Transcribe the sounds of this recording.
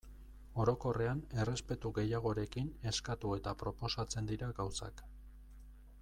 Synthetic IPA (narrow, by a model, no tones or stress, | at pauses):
o̞ɾo̞ko̞re̞ane̞re̞spe̞t̪uɣe̞jaɣ̞o̞ɾe̞kine̞skat̪ue̞t̪apɾo̞po̞sat͡se̞nd̪iɾaɡawsa̰k